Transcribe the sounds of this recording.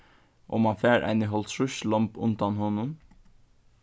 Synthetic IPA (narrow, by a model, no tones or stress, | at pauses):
ʔo̰ːmɑnfeːɾʔæ̰ɪnɪɦɔlt̪ʃʉʃlɔmpʉ̰nt̪ɑnhɔnən